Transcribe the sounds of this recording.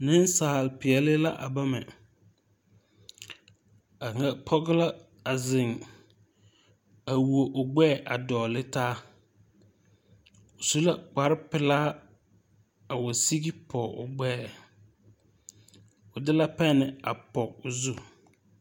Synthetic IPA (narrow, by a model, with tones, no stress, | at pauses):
nɪ˦n˦saː˨lpɪ˨ɛ˨lɪ˦la̰˦ʔa̰˨ba˦mɛ˨ | a˨ŋa˦pʰɔ˦ɣɪ˦la˦ | a˨zɪ˨ŋ | a˨wu˨o˨ʔʊ˨ɡ͡bɛː˦˨ʔa˨dɔː˨lɪ˦taː˦ | ʊ˨su˦la˦k͡pa˨ɾɪ˦pɪ˨laː˦ | a˨wo˨si˦ɡi˦pʰɔ˨ʊ̰˨ɡ͡bɛː˦˨ | ʊ˨dɪ˦la˦pɛ˦nɪ˨a˨pɔ˨kʊ˨zu˦˨